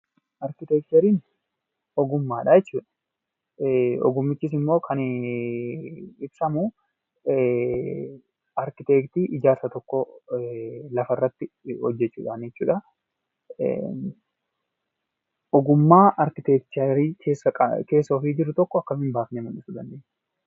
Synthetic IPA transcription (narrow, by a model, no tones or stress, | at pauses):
ʔɐɾkɪt̪ɛkt̪ɐɾiːn | ɔɡʊmːaːᶑɐjɛt͡ʃːuːᶑɐ̥ | ɔ̰ɡʊmːɪt͡ʃːɪs̬ɪmːo̞ːkʰɐn | ɪbsɐmu | ɐɾkɪt̪eːkt̪iːʔɪd͡ʒaːɾsɐt̪ɔkːɔ | lɐfɐɪrːɐt̪ːɪhɔd͡ʒːɛt͡ʃːṵːᶑaːnjɛt͡ʃːṵːᶑɐ̰ | ʔɔɡʊmːaːʔɐɾkɪt̪ɛkt͡ʃ̪ɐɾiːkʰeːsːɐɐ̰ke̞ːsːoːfiːd͡ʒɪɾʊt̪ɔkːɔɐkːɐmɪnbaːfnemɐnɪsʊd̪ɐnd̪eːɲː